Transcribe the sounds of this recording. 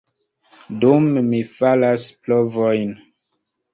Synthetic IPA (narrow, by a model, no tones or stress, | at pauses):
dumːifalasplovojn